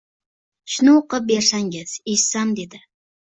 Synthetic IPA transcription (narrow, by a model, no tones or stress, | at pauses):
ʃʊnʊoqɨp̚be̞ɾsaŋɡʲɪz̥eʃsamd̪e̞d̪ɪ